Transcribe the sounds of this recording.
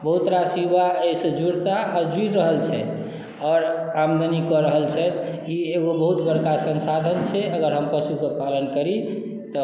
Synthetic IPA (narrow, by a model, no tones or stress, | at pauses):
bəɦut̪ɾasibaesə̃d͡ʒuɽt̪aʔːd͡ʒut̪ɾəɦəlt͡ʃʰɛ | ɔːɾamd̪ənikɔɾəɦəlt͡ʃʰɛt̪ | ieɡobəɦut̪bəɽkasənsad̪ʱənt͡ʃʰɛəɡəɾɦəmpəʃukepalənkəɾi | t̪ɔ